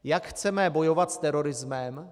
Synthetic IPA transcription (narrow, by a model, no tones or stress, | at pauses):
jakxt͡sɛmɛbojovat̪st̪ɛɾoɾɪzmɛm